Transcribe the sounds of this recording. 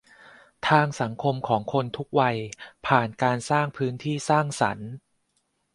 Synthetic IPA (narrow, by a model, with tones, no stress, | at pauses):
t̪ʰaː˧ŋsa˩˦ŋkʰo˧mkʰɔː˩˦ŋkʰo˧nt̪ʰu˦˥k̚wa˧jpʰaː˨˩nkaː˧nsaː˥˩ŋpʰɯː˦˥nt̪ʰiː˥˩saː˥˩ŋsa̰˩˦n